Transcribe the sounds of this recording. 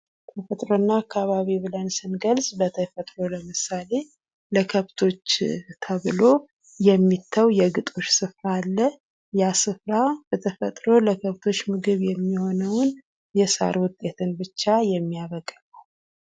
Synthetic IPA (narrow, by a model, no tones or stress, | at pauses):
t̪ʰəfət̪ʼɾonːaːkʰːaβaβiβɨlənsɨnɡəlz̥bət̪ʰəfət̪ʼɾoləmɨsale̞ | ləkʰəβt̪ʰo̞t͡ʃːt̪ʰəβɨlo̞ | jɛmːit̪ʰːəwjɛɡɨt̪ʼo̞t͡ʃːsɨfɾaːlːə | jasɨfɾab̥ət̪ʰəfət̪ʼɾo̞ləkʰəβt̪ʰo̞t͡ʃːmɨɡɨβjɛmːiho̞nəwʊn | jɛsa̰ɾwʊt̪ʼːe̞t̪ʰɨnbɨt͡ʃːajɛmːijaβəkʼːələw